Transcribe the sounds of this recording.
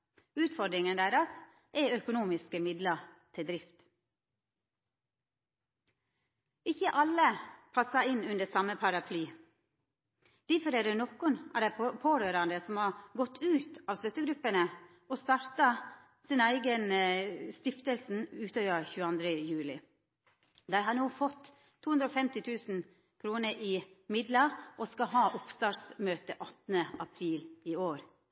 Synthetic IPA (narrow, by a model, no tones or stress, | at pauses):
ʉːt̪fɔd̪ɾɪŋənd̪æɾɑs | ʔɛœkʊnuːmɪskəmɪd̪lət̪ʰɪld̪ɾɪft̪ | ɪçəʔɑləpʰɑsɑɪnʉnd̪əsɑməpʰɑɾɑpʰlyː | d̪̥æɾfɔɾɛːd̪eːnɔkʊnɑ̰ːʋd̪æɪpʰoːɾøːɾɑnd̪əsɔmhɑːɡɔt̪ːʰʉːt̪ɑːʋst̪œt̪ːəɡɾʉpːənə | ɔst̪ɑɾt̪ɑ | sinæɪɡənst̪ɪft̪əlsn̩ʉːt̪ʰøːʋəçʉːəɑnd̪ɾəjʉːlɪ̰ | d̪æɪɦɑːnuːfɔt̪ʰː | uːʉnd̪ɾɔːfɛmt̪ɪt̪ʰʉːsn̩ | kʰɾuːnəʔɪ | mɪd̪lɑʔɔskɑɦɑːʔʊpst̪ɑːɾsmøːt̪əʔɑt̪n̩əʔɑpʰɾiːlɪoːɾ